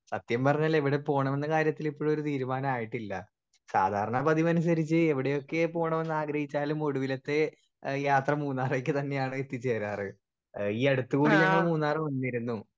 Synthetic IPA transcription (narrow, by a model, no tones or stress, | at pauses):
sɐt̪jɐmpɐrɐɲːaːle̞ʋiɽe̞po̞ːɳɐme̞nːɐkaːɾjɐt̪ːilipːo̞ːɭoɾut̪iːɾumaːnɐmaːjiʈːilːɐ̰ | sa̰ːd̪ʱaːɾɐɳɐpɐðimɐnus̬ɐɾit͡ɕːɨe̞ʋiɽe̞jo̞kːe̞po̞ːɳɐme̞nːaːɡɾɐhit͡ɕːaːlumo̞ɽuʋilɐt̪ːe̞ | jaːt̪rɐmuːnːaːrek̬ʲːɨt̪ɐnːe̞jaːɳɨet̪ːit͡ɕːeːɾaːrɨ | iːɐɽut̪ːukuːɽieɳːemuːnːaːrɨmʋɐnːijiɾunːu